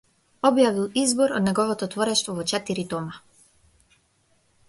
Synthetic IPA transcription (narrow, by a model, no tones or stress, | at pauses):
ɔbjavilˠizbɔɾɔd̪nɛɡɔvɔt̪ɔt̪vɔɾɛʃt̪vɔvɔt͡ʃɛt̪iɾit̪ɔma